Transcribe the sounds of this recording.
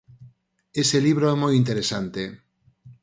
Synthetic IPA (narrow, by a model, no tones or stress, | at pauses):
eseliβ̞ɾoɛmojint̪eɾesant̪e